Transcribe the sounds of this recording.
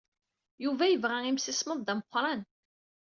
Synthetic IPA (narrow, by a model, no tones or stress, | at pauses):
juvæjiəvʁæimsismæðd̪æməqʷːɾˤɑn